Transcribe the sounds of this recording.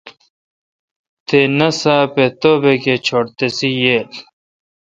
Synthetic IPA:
t̪ʰenɐsaːpet̪obeket͡ɕʰoɽt̪esijeːl

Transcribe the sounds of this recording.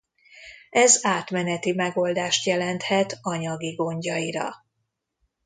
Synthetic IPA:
ɛzaːt̪mɛnɛt̪imɛɡo̞ld̪aːʃt̪jɛlɛnt̪hɛt̪ɒɲɒɡiɡo̞ɲɟɒjiɾɒ̰

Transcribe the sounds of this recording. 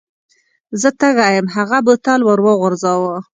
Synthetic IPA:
zət̪əɣɑjəmɦaɣabut̪ɑlwəɾwəɣʊɾzɑwə

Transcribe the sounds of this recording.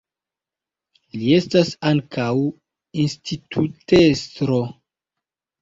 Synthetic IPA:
lie̞stasaŋkaw | institʰutestɾo

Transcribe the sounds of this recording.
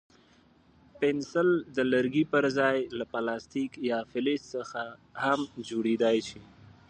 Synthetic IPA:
pɪnsɪld̪ələɾɡipəɾzɑjlapalɑst̪ikjɑfɪlɪssəxahamd͡ʒoɽed̪ɑjʃi

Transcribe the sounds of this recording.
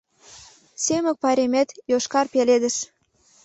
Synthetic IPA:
semə̆k̚pɑɾʲemet̪joʃkɑrpeled̪ə̆ʃ

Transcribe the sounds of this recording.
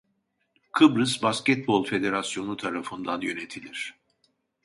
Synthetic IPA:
kʰɯbɾɯzbascɛt̪̚bo̞lˠfe̞d̪e̞ɾasjo̞nut̪ʰaɾafɯnd̪anjø̞ne̞t̪ʰilʲiɾ̝̥

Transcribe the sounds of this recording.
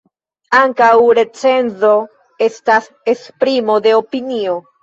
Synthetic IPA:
aŋkawɾe̞t͡se̞nzo̞ | e̞stas | espɾimo̞de̞opinio̞

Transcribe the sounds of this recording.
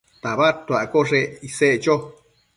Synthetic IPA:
t̪aβat̪aʔkoʐeiseʔt͡ʃo

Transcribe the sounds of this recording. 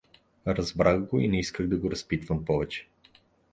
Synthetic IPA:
ɾɐzbɾaxɡoinɛiskəxd̪ɐɡoɾɐspit̪vɐmpɔvɛt͡ʃɛ̥

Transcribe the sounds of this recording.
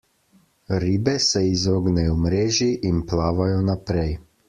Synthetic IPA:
ɾiːbɛsɛizoːɡnɛjɔmɾeːʒiʔinplaːʋajɔnapɾɛj

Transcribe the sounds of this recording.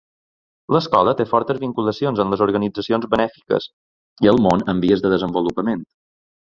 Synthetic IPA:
ləskɔlət̪efɔɾt̪əzβiŋkuləsionzənləzuɾɣənid͡zəsionzβənɛfi̥kə̰s | iəlˠmonəmbiəzðəðəzəmbulupəment̪

